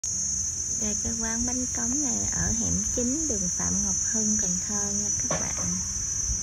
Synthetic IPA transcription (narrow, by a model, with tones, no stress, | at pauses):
ve˨˩kə˧kwaː˧nɓa˧jŋkə˨˦wŋ͡mna˨˩jʔəː˧˩ɦḭ˧˨mt͡ɕï˨˦ŋ̟ɗɨ˨˩ək̚fa̰ː˧˨mŋə˨˩wk͡p̚həː˧nkə˨˩t̪ʰəː˧ɲa˧t̪ʰɨ˦˥k̚ɓa̰ː˧˨n